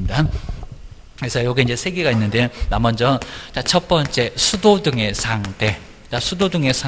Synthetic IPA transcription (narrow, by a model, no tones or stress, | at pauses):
ida | kesʰʌjoɡeind͡ʑe̞sʰe̞ɡeɡainːɯndeonamʌnd͡ʑʌt͡ɕat͡ɕʰʌp͈ʌnt͡ɕ͈e̞sʰudodɯŋe̞sʰaŋde̞ | t͡ɕasʰudodɯŋe̞sʰa